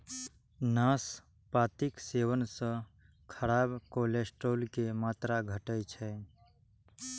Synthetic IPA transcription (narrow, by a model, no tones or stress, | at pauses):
naːs | paːt̪ɪksewənsə̃ | kʰəɾaːbkoːlesʈoːlkemaːt̪ɾaɡʱəʈət͡ʃʰɛ